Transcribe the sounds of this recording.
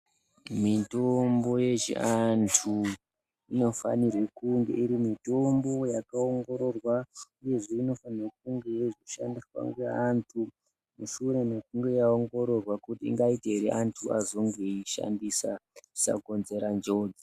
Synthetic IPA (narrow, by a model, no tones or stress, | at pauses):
mitombo̞je̞ʒḛantʰu | ino̞fa̰nirwekuŋɡḛiɾimito̞mbo̞jakaoŋɡo̞ɾo̞rwauje̞ʐeino̞fanirekuŋɡe̞jeʐoʃandiswa̰ŋɡeantʰu | muʃure̞nekuŋɡe̞jaoŋɡo̞ɾo̞rwakutiḭŋɡaiteeɾeʔantʰua̰zo̞ŋɡe̞iʃa̰ndisai̥sa̰ko̞nze̞ɾand͡ʒo̞da